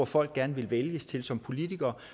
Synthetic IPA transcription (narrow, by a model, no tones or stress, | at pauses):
ɒfɒ̽l̰ɡ̥ɡ̥æɐnəʋe̝lʋeljəst͡sʰe̝lsɒ̽mpʰo̝lit͡sʰiɡ̥ɐː